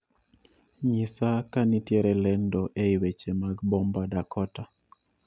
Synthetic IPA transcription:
ɲisakanitjɛɾɛlɛndɔʔeiwet͡ʃemaɡbɔmbadakʰɔta

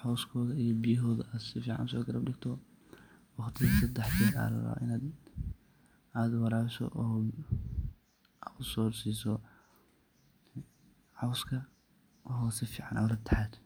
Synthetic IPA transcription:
ħɔːskʰɔːðɐijɔbijɐɦɔːðɐʔaːd̪sɪfiːʕɑ̰nʊsɔːɡɐɾɐbɖɪɡt̪ʰɔ | wɑχt̪ʰɪðsɐd̪ɛħdɛːd̪a̰lɐ̰ɾɐ̰ʔɪnaːd̪ | aːd̪wɐɾaːɾɪsɔ̰ʔɔ | ʊsɔːrsiːsɔ | ʕɑwskʰɐ | ɦɔːsɪfiːʕɑnʔɐːlɐt̪ʰɐ̥ħɛːd̪

